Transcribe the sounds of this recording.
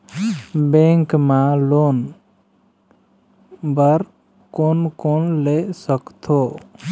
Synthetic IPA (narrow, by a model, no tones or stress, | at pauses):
bẽŋkmãloːn | bəɾ | koːnkonlesəkt̪ʰo